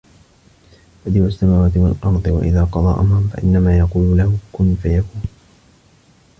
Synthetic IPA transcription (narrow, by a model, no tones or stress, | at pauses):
fad̪iːʔasːamaːwaːt̪ɪwa̰lʔɑɾˤd̪ˤɨwa̰ʔɪðaːqɑd̪ˤɑ̰ːʔamɾˤʊmfa̰ʔɪ̰nːamaːjɑquːlʊlahʊkʊnfajakuːn